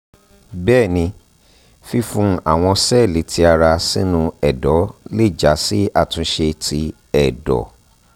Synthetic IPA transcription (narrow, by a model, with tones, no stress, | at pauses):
bɛː˦˨nĩ˧ | fi˧fũ˧˦a̰˦˨w̃ɔ̃˧sɛ˦˨li˨˦tʰi˧a˧ɾa˧sĩ˦nũ˧ɛ˨dɔ˨˦le˦˨d͡ʒa˨˦si˦a˦˨tũ˧˦ʃe˧tʰi˧˦ | ɛ˨dɔ̰˨